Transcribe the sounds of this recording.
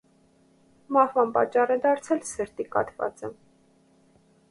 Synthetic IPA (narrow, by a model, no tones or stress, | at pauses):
mɑhvɑnpɑ̰t͡ʃːɑrɛd̪ɑɾt͡sʰɛlsəɾt̪ikɑ̰t̪vɑ̰t͡sə